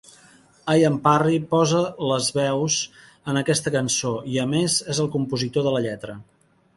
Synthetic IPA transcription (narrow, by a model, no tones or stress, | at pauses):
ajəmparipɔzələzβɛwz | ənəkɛst̪əkənsoiəmezezəlˠkumpuzit̪oðələʎɛt̪ɾə